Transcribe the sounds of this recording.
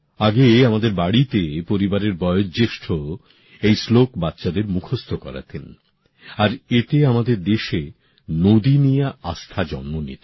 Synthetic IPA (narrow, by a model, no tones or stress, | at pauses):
aɡeamad̪eɾbaɽit̪epoɾibaɾeɾbɔeod͡ʑeʃʈʰo | ejslokbatːɕad̪eɾmukʰost̪ʰokɔ̰ɾa̰t̪ʰen | aɾet̪eamad̪eɾd̪eʃe | nod̪inijaast̪ʰad͡ʑɔnmonḭt̪o̥